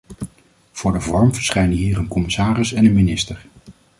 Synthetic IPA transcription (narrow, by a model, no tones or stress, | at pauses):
v̥ʊːɹdəvɔɹmvəɹsχɛjnəɦiːɹənkɔmɪsaːrɪsɛnənminɪstəɹ